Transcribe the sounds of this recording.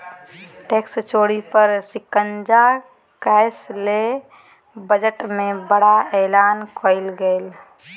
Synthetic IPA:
ʈekst͡ʃoːɽipəɾsikənd͡ʒa | kaɪsle | bəd͡ʒəʈmẽbəɽaɛlaːnkʰoɪlɡeːl

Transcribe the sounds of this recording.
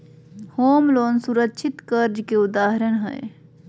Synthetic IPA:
hoːmloːnsuɾətːʃʰɪt̪kəɾd͡ʒkeʊd̪aːɦɾəɽ̃ɦɛ̰e

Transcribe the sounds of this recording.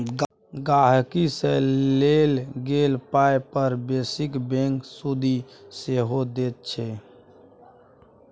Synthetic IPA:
ɡaɦkiselelɡelpaepəɾbesɪkbẽŋksud̪ʱiseɦod̪eːt̪̚t͡ʃʰɛ

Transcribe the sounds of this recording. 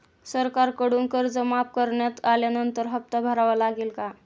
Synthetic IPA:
səɾkaɾkəɽuŋkəɾd͡zəmap̚kəɾɳjat̪aljanənt̪əɾɦəp̚t̪əbʱəɾaʋəlaɡelka

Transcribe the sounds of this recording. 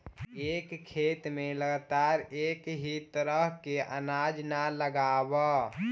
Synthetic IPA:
eːkkʰːeːt̪mẽləɡt̪aːɾeːkɦit̪əɾəɦkeʔə̰naːd͡ʒnaləɡaːwə

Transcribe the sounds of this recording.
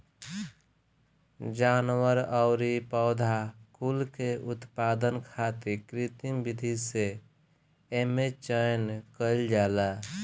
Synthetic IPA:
d͡ʒanwəɾəʊɾipəʊd̪ʱakulkeʔut̪pad̪ənkʰat̪iɾkɾit̪imbid̪ʱise | emet͡ʃəjnkəɪld͡ʒala

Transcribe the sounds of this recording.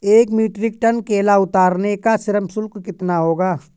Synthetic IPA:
eːkmiːʈɾɪk̚ʈɐnkeːlaʊt̪aːɾnekasɪɾəmsʊlkkɪt̪naɦoːɡaː

